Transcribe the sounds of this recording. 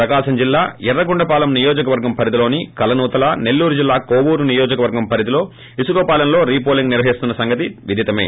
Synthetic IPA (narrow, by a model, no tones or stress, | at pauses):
pɾɐkaːʂɐmd͡ʒilːaːɛrːɐɡuɳɖɐpaːlɐmnijoːd͡ʒɐkɐʋɐɾɡɐmpʰɐɾid̪ilo̞ːnikɐlɐnuːt̪ɐlɐne̞lːuːɾud͡ʒilːaːkoːʋuːɾunijoːd͡ʒɐkɐʋɐɾɡɐmpʰɐɾid̪ilo̞ː | isuɡoːpaːlɐmlo̞ːɾiːp̬oːliŋɡniɾʋɐɦist̪unːɐsɐŋɡɐt̪iʋid̪ʱit̪ɐme̞̰ː